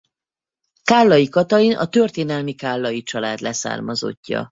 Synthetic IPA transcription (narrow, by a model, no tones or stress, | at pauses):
kaːlːɒjikɒt̪ɒinʔɒ̰t̪ørt̪eːnɛlmikaːlːɒjit͡ʃɒlaːd̪lʔɛsa̰ːrmɒzo̞̰cːɒ̰